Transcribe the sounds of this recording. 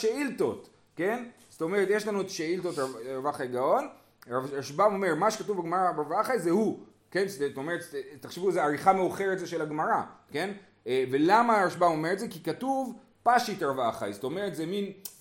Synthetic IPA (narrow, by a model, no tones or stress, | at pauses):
ʃeilto̞t | ke̞nst̪o̞me̞ʁet̪jeʃlanuetḁʃeiltotaavaχajɡao̞n | avaʃbamo̞me̞ʁmaʃekatuvbeɡmaʁabavaχajzehu | ke̞nstomeʁet̪tːaχʃivuezeaʁiχameuχe̞ʁet̪zeʃe̞laɡmaʁake̞n | velamaʁaʃbamo̞me̞etzekikatuv | paʃitɾavaχa̰jzoto̞me̞ʁetzemin